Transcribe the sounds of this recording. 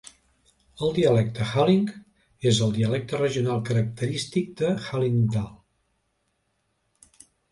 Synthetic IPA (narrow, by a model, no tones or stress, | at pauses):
əlˠd̪iəlɛk̚t̪əxaliŋ | ezəlˠd̪iəlɛk̚t̪ərəʒiunalˠkəɾək̚t̪əɾist̪ik̚d̪əxaliŋd̪alˠ